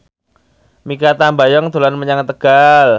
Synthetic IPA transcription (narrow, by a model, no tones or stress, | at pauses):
mikat̪ambajɔŋd̪o̤lanməɲaŋt̪əɡ̥al